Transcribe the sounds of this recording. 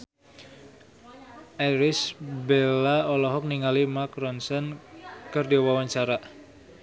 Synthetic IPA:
ʔɛɾɪsbelaɔlɔɦɔk̚niŋalimakrɔnsɔnkərdiwawaɲt͡ʃaɾa

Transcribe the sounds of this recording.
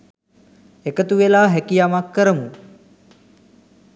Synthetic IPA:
ekət̪uʋelaːɦɛkijamakːəɾəmu

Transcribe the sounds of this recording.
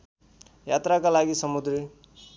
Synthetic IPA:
jat̪ɾakalaɡisʌmud̪ɾi

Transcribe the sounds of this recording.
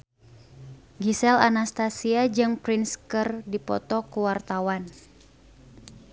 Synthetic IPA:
ɡisɛla̰nast̪asiad͡ʒɨŋpɾinskərdipɔ̰t̪ɔkuwart̪awan

